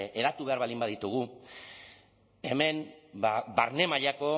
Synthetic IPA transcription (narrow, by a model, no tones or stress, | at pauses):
ʔe̞ɾat̪uβe̞aɾβalimbaðit̪uɣ̞u | e̞me̞nbabaɾne̞maʎako̞